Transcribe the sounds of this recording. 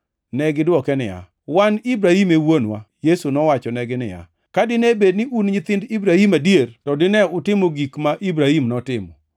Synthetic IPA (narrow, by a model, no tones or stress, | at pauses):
nɛɡɪdwɔkɛnɪ̰ja̰ | wanibɾahimewonwa̰jesunɔwat͡ʃɔnɛɡɪnɪ̰ja̰ | kadɪnɛbed̚nɪunɲɪt̪ɪndibɾahimadiertɔdɪnɛʊtɪmoɡikmaʔibɾahimnɔtɪmɔ̰